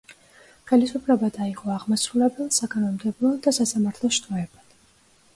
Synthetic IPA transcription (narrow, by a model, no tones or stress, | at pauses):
χɛlisupʰlɛbad̪aiʁʼɔaʁmasɾulɛbɛlˠsakʼanɔmd̪ɛblˠɔd̪asasamaɾt̪ʰlˠɔʃt̪ʼɾɔɛbad̪̥